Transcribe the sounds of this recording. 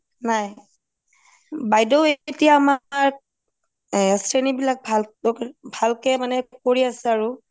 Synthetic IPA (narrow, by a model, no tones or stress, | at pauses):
naj | bajdɔʊetijaːmaɹ | sɹenibilak̚bʱalɔkbʱalkɛmanɛkoɹiasɛaɹu